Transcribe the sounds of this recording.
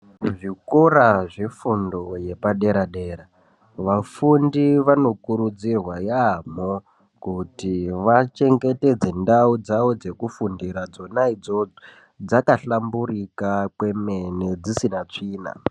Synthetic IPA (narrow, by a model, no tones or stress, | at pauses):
ʐikoɾaʐe̞fundo̞je̞paɗe̞ɾaɗe̞ːɾa | ʋafundiʋano̞kuɾud͡zirwajamo | kutiʋat͡ʃe̞ŋɡe̞te̞d͡ze̞ndaud͡zaʋod͡ze̞kufundiɾad͡zo̞naid͡zo | d͡zakaɬamburikakwe̞me̞ne̞d͡zisinat͡ʂiːna̰